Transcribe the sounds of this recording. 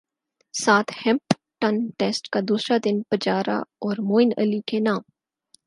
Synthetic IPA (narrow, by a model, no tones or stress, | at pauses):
saːt̪ʰhɛ̃mp | ʈɐnʈeːsʈkad̪uːsɾad̪ɪnpɐd͡ʒaːɾa̰ɔːɾmoːɪnə̰likenaːm